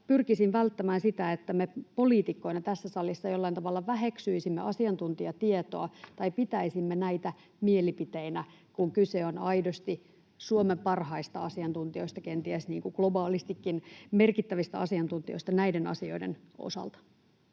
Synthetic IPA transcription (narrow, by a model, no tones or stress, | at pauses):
pyrkisinʋælt̪ːæmæːnsit̪æet̪ːæmepo̞liːt̪ikːo̞inɑt̪æsːæsɑlːisːɑjolːɑint̪ɑʋɑlːɑʋæɦeksyisimːḛʔɑsiɑnt̪unt̪iɑt̪iet̪o̰ɑt̪ɑipit̪æisimːenæit̪æ | mielipit̪einæ | kuŋkyseonɑidost̪i | suomempɑrhɑist̪ɑɑsiɑnt̪unt̪io̞ist̪ɑkent̪iæsniːŋkuɡ̥lobɑːlist̪ikːinmerkit̪ːæʋist̪æ̰ɑsiɑnt̪unt̪io̞̰ist̪ɑnæidenɑ̰sio̞̰idḛno̰sɑ̰lt̪ɑ̥